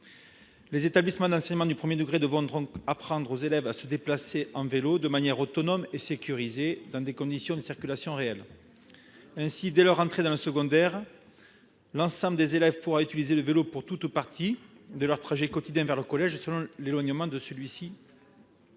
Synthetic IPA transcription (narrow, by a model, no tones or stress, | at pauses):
lezet̪ablisəmɑ̃d̪ɑ̃sɛɲəmɑ̃d̪ypχəmjed̪əɡʁed̪əvɔ̃d̪ɔ̃kapχɑ̃d̪ʁozelɛvasəd̪eplaseʔɑ̃velod̪əmanjɛʁot̪ɔnɔmesekʲyʁized̪ɑ̃d̪ekɔ̃d̪isjɔ̃d̪əsiʁkʲylasjɔ̃ʁeɛl | ɛ̃sid̪ɛlœʁɑ̃t̪χed̪ɑ̃ləsəɡɔ̃d̪ɛʁ | lɑ̃sɑ̃bləd̪ezelɛvpuʁayt̪ilizeləvelopuʁt̪ut̪upaʁt̪ʰi | d̪əlœʁt̪χaʒɛkɔt̪id̪jɛ̃vɛʁləkɔlɛʒsəlɔ̃lelwaɲəmɑ̃d̪əsəlɥisi